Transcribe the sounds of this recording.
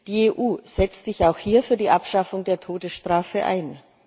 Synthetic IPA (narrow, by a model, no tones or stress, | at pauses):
d̥iːeːʔuːz̥ɛt͡stz̥ɪçaʊxhiːɐfyːɐdiːʔapʃafʊŋdeːɐtʰoːdəsʃtʁ̥aːfəʔa̰ɪn